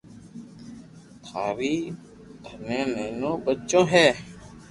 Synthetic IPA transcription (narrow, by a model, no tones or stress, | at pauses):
t̪ʰaːɾiː | d̪ʱənẽːneːnõːbətːt͡ʃõːɦɛː